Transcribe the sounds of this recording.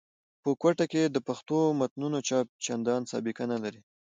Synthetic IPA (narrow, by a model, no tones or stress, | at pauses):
pəkwaʈaked̪əpaxt̪omat̪nunot͡ʃɑp̚t͡ʃand̪ɑnsɑ̰bɪkanalaɾi